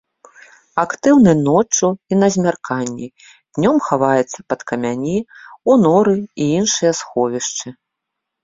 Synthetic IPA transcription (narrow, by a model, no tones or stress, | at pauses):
akt̪ɨwnɨnɔt͡ʂuinɐzʲmʲarkanʲːi | d̥̪nʲɔmxavajɛt̪sːɐpɐt̪kɐmʲanʲiunɔɾɨiinʂɨjɐsxɔvʲiʂt͡ʂɨ